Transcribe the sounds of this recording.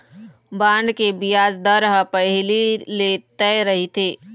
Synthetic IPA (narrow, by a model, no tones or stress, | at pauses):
baːɳɖkebijaːzd̪əɾɦəpɐɦɪlilet̪ɛːɾɐɦit̪ʰeː